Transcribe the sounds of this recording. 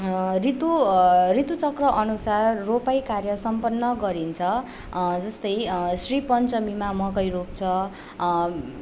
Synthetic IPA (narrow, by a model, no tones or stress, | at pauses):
rit̪urit̪ut͡sʌkrʌʔʌnusarːopajkarjʌsʌmpʌnːʌɡʌɾint͡sʰʌ | d͡zʌst̪ʌjsripʌnt͡sʌmimamʌkʌjrop̚t͡sʰʌ